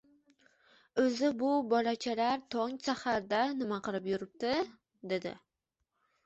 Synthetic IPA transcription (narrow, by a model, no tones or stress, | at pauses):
ɵzɪbʊbɒlat͡ʃʰalaɾt̪ʰoŋsahaɾd̪anɪmaqɨlɪpjʊɾɪp̚t̪ɪ | d̪e̞d̪ɪ̰